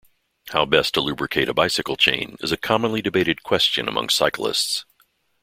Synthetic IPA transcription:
haʊbɛstʰəlʉbɹɨkʰeɪɾɨbaɪsɨkl̩ˠt͡ʃʰḛ̃ɪ̃nɨ̰zɨkʰɑmə̃nlidɨbeɪɾɨd̚kʰw̥ɛst͡ʃɨ̰̃nə̰mʔʌ̰̃ŋsaɪkl̩ˠɪ̰sts

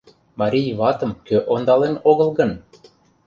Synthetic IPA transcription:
mɑɾʲijβɑt̪ɤ̆mkøʔond̪ɑlenoɣɤ̆lˠɣɤ̆n

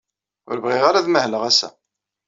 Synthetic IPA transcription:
ʊ̰ɾəvʁɪʁaɾaðməhləʁæsæ̰

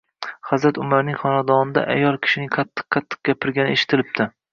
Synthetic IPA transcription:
χɑzɾat̪ʊmaɾnɪŋχɒnad̪ɒnɪd̪a̰ʔa̰jɒlˠkʲʰɪ̥ʃɪnɪqʰɑt̪ʰːɨ̥qqʰːɑt̪ʰːɨ̥q̚ɡʲapʰɪɾɡʲanɪeʃɪ̥t̪ʰɪlɪp̚t̪ʰɪ

